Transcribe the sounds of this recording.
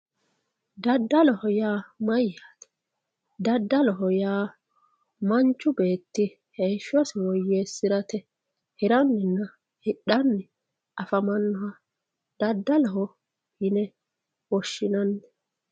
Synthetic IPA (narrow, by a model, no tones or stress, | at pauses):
d̪ɐd̪ːɐlɔhɔjaːmɐjːaːt̪ɛ̥ | d̪ɐd̪ːɐlɔɦɔjaː | mɐnt͡ʃːʊbe̞ːt̪ːɪ | hejʃːɔsɪwɔjːeːsːɪɾɐt̪ɛ | hɪɾɐnːɪnːɐ | hɪɗːɐnːɪ | ɐfɐmɐnːɔwɐ | d̪̥ɐd̪ːɐlɔɦɔ | hɪnɛ | wɔʃːɪnɐnːɛ̥